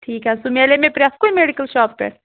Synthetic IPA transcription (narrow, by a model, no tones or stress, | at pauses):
ʈʰiːkɦɛsumelemepɾjaːskoimeɽikəlʃaːpːḛ